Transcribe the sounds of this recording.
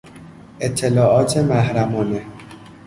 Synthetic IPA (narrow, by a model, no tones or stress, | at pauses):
ʔet̪ʰːelɒːʔɒːt̪ʰemæhɾæmɒːne